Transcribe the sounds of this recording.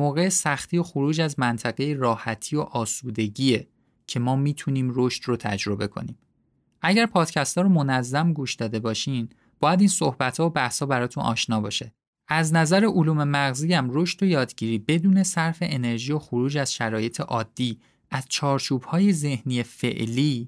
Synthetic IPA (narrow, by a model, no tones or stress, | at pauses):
moːɣe̞esæxt̪ʰijo̞xoɾuːd͡ʒæzmænt̪ʰæɣe̞jeɾɒːhæt̪ʰiːoʔɒːsuːd̪e̞ɟiːe | cʰe̞mɒːmiːt̪ʰuniːmɾoʃt̪rot̪ʰæ̰d͡ʒɾo̞be̞kʰo̞̰niːm | ʔæɟæɾpʰɒːd̪̥cʰæst̪ʰɒːɾomonæzːæmɡuːʃd̪ɒːd̪e̞bɒːʃiːn | bɒːjæd̪iːnsohbæt̪ʰhɒobæhshɒːbæɾɒːt̪ʰunʔɒ̰ːʃnɒːbɒːʃe̞ | ʔæznæzæɾe̞ʔoluːme̞mæɣziːæmɾo̞ʃt̪o̞jɒːd̪ɟiːɾiːbe̞d̪uːne̞sæɾfe̞ʔene̞ɾʒijo̞xoɾuːd͡ʒæz̥ʃæɾɒːje̞t̪ʰe̞ʔɒːd̪̥ːiː | ʔæz̥t͡ʃʰɒːɾt͡ʃʰuːbhɒːje̞ze̞hnijefe̞̰ʔliː